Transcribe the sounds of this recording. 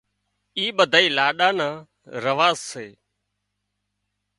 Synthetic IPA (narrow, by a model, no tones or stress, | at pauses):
iːɓəd̪ʱaːiːlaːɗãːnãː | ɾəʋaːzseː